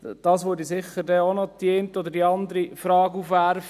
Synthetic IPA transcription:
d̥ɑːsʋʊːdisɪχːəɾdɛonɔt̪jeːntɔd̪əɾdiɑnd̪əɾifɾɑːɡufʋæɾf

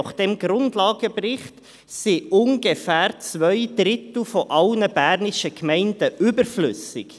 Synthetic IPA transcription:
χd̥ɛmɡɾʊndlɑːɡəprɪχt | siʔʊnɡefæːɾt͡svœʏd̥ɾɪtl̩ˠfɔʔɑlnəbæːɾnɪʃəkʰmɛɪndəʔʏbəɾflʏ̰sɪk

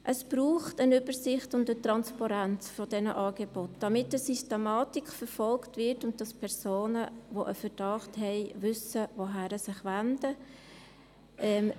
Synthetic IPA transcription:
ʔəsb̥ɾuːχtənʏbəɾsɪχtʊndətʁɑnspɑɾænt͡sfɔdɛnəʔɑːɡeb̥ɔtd̥ɑmɪtəsystɛmɑːtikfəɾfɔlktvɪtʊnt̚d̥ɑspʰɛɾsoːnəʋoʔəfəd̥ɑχthɛɪʋʏsəʋoɦæɾəsɪχʋændə | ʔɛm

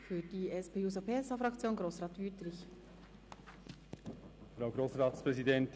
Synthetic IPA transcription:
fyːd̥iːɛspeːuːzopʰeːɛsɑfʁɑkt͡sjoːnɡɾoːsʁɑːt̪ʋyːtɾɪç | fɾaʊɡɾoːsʁɑːtspɾɛzidɛnt

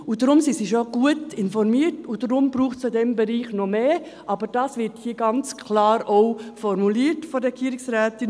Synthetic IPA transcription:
udɾʊmsisiʃoɡ̥uətɪnfɔɾmiətʊdɾʊmbɾuːχtsodɛmbɛɾiːχnɔmeː | ʔɑbəɾd̥ɑːsʋɪɾthiəɡɑnt͡skʰlɑːɾoʊfɔɾmuliːətfɔɾɛɡiːɾɪksɾæːtɪn

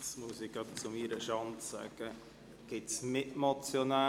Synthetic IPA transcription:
smusɪɡ̥ɑt̚t͡sʊmiɾəʃɑntsa̰ɡ̥ə | ɡ̥ɪtsnɪtmot͡sjonaː

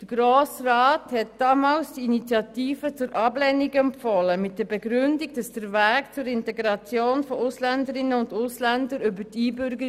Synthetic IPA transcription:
d̥əɡ̥ɾoːsrɑːthɛtd̥ɑmɑːlsd̥iinit͡sjɑtiːfət͡sʊɾʔɑblɛniɡɛmfɔləmɪt̚d̥əɾbɛɡɾʏndiɡd̥ɑsd̥əɾvæːkt͡sʊɾɪntɛɡɾɑt͡sjoːnfɔʊslændəɾɪnːəʊndʊslændəɾybətiːbʏɾɡə

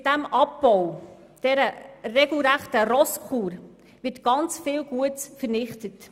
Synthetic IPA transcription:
d̥æmʔɑpbɔw | d̥ɛɾərɛɡl̩ˠɾæχtəɾɔskʰuːɾ | ʋɪtɡ̥ɑnt͡sfɪːlɡ̥uətt͡sfəɾnɪχtət

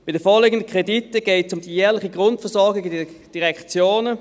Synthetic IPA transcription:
b̥ɪd̥əɐfoːleːɡəndəkʰʁ̥editːəɡ̥eːtsʊmd̥ijɛːɐlɪχiɡʁʊntfɛɐsɔɐɡɪɡəded̥iʁɛkt͡sjoːnə

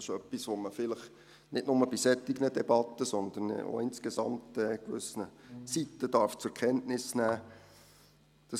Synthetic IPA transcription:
ɪʃœpːisʋoməfɪləχ | nɪdnʊməb̥isɛt̪ːiɡnədɛbɑt̪ːəsɔnd̪əno̰ɪnskezɑ̰mtɛːkʋʏsnəsit̪ːəd̥ɑɾft͡sʊɾkχɛntnɪsnæː | d̪̥ɑ

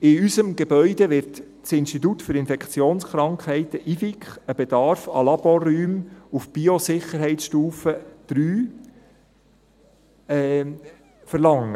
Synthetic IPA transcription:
ɪysəmɡebœʏd̪eʋɪrt | t͡sɪnstit̪̬ut̪fʏɾɪnfɛkχt͡sjoːnsχɾɑŋkhɛɪt̪əʔifikχəbed̥̪ɑɾfɑ̰lɑb̥ɔryːmufb̥iosɪχəɾɦɛɪtʃtuːfəd̪̥ɾyː | ɛ | fəɾlɑŋːə

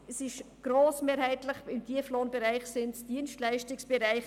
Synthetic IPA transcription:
ɛsɪʃɡ̥ɾoːsmeːɾhaɪtlɪχɪmd̥iəfloːnbɛɾaɪχsɪntd̥iənstlæɪʃtɪksb̥ɛɾaɪχ

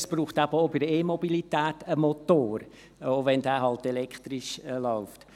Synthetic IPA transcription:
sb̥ruːχtæb̥əobɪdəeːmɔbilitæːtəmotoːɾ | oʋɛndæːɦɑltelɛkχt̪ɾɪʃlaʊft

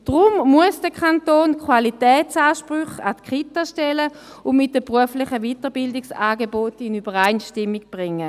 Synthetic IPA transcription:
d̥ʁʊmmuəsd̥əkχantoːnkχwalitɛːtt͡saːʃpʁyχa̰tkχitaʃtɛlə | ʊnmɪt̚d̥əpʁuəflɪχəvitəʁbɪldɪksaːɡebotɪnybəʁaɪnʃtɪmːiɡb̥ʁɪŋːə

